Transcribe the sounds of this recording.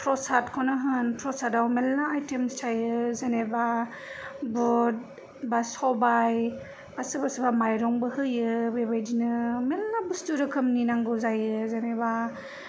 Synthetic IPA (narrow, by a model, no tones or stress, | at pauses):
pʰɾɔsatkʰɔnɯɦɯnpʰɾɔsatawmelnaːjtemstʰajɯzaneba | bɔd̚ | basɔbaj | basɯbasɯbamajɾɔŋbɯhɯjɯbebajdinɯmelnabɯstuɾɯkʰɯmninaŋɡɯzajɯzaneba